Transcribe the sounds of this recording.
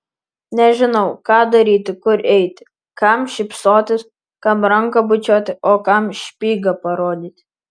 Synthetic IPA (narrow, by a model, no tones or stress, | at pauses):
nʲɛʒʲɪnɐʊkɑːd̪ɐɾʲiːt̪ʲɪkʊɾʔɛɪt̪ʲɪ | kɐmʃʲɪpsoːt̪ʲɪs | kɐmɾɐŋkɐbʊt͡ʃʲoːt̪ʲɪoːkɐmʃʲpʲiːɡɐpɐɾoːd̪ʲiːt̪ʲ